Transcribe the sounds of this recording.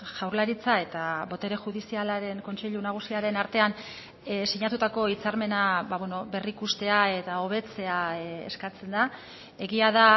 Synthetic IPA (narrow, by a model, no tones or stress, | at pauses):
ʝawɾlaɾit͡sae̞t̪aβo̞t̪e̞ɾe̞ʝuð̞isialaɾe̞ŋko̞nt͡se̞ʎunaɣ̞usiaɾe̞naɾt̪e̞an | siɲat̪ut̪ako̞it͡saɾme̞naβaβweno̞βe̞rikust̪e̞ae̞t̪ao̞βe̞t͡se̞aeskat͡se̞nd̪a | e̞ɣiað̞a